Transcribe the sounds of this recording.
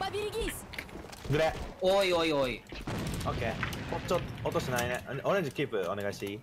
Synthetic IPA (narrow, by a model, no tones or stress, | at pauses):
babʲiɾɡʲisɨ̥ | ɡɯ̟ɾeoioioioːkḛhot͡ɕːot̪ot̪oɕinaineʔoɾeɲd͡ʑikʲiːpɯone̞ɡaiɕt̪eiː